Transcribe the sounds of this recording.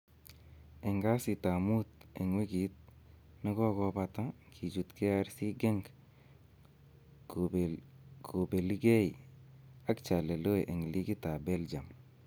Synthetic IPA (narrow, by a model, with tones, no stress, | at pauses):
e˨ŋɡa˦si˨ta˨mu˦t̪e˨ŋwi˦ɡi˨t̪̚ | na˦kɔ˦kɔ˧pa˧t̪a˦kʰi˨d͡ʒu˨t̪ke˦a˦ɾsi˦ɡe˦ŋɡ | ko˨be˨li˦ɡe˦i | a˦kt͡ʃa˨le˨lo˦e˨ʔe˨ŋli˦ki˦ta˨be˦ld͡ʒa˨m